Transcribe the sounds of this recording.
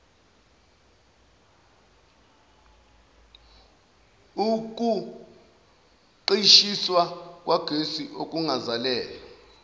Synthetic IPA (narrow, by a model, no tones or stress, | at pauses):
uk̬ʼu | ǃiʃiswak̬ʼwaɡ̥ʱesiʔokʼuŋazalɛːla